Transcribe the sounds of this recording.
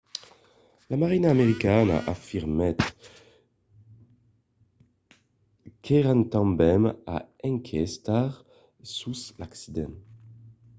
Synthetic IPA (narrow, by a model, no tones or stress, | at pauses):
lamaʁinaːmeʁikana̰ʔafiʁmɛt̪ | kɛʁant̪ɑ̃mbɛma̰ɛ̃ŋkʰɛst̪aʁ | suslaksid̪ɛ̃n